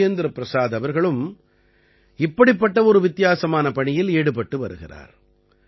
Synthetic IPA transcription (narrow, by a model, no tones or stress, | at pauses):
jɐnd̪ɪɾɐpːɾɐsaːðɐʋɐɾɣɐɭɯm | ɪpːɐɽɪpːɐʈːɐɔɾɯʋɪt̪ːɪjaːsɐmaːnɐpɐɳɪjɪleːɽɯpɐʈːɯʋɐɾɯɣɪ̰ra̰ːɾ